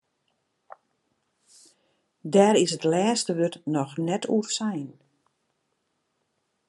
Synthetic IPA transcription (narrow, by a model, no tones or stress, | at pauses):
dɛːɾɪsətlɛːstəʋøtnɔxnɛtʰṵrsɛjn